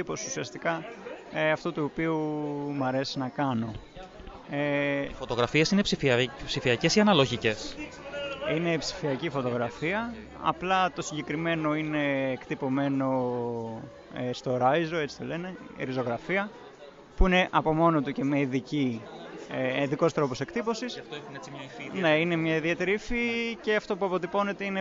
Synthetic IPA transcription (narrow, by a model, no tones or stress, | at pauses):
ipo̞susiɐst̪ikɐ | ɐft̪ot̪uopiumɐɾe̞si̥znɐkɐno̞ | efot̪o̞ɣɾɐfiesine̞psipsifiɐcesiɐnɐlo̞ʝice̞s | ine̞psi̥fiɐcifo̞t̪o̞ɣɾɐfiɐ | ɐ̰plɐt̪o̞siɲɟekɾime̞no̞ine̞ːkt̪ipo̞me̞no̞ | est̪o̞ɾɐjzoe̞t͡si̥t̪ole̞ne̞̰ɾizo̞ɣɾɐfiɐ | puine̞ʔɐpo̞mo̞not̪ucemeiðici | eiðiko̞st̪ɾo̞po̞se̞kt̪ipo̞sisft̪oeine̞ine̞mɲɐiðie̞t̪e̞ɾifice̞ɐft̪o̞puɐpo̞t̪ipo̞ne̞t̪e̞ine